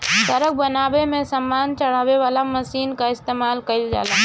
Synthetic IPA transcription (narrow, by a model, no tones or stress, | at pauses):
səɾək̚bənaːbemẽsəmːaːnt͡ʃəɽ̤aːweʋaːlaməsiːnkaɪst̪eːmaːlkəɪld͡ʒa̰ːlaː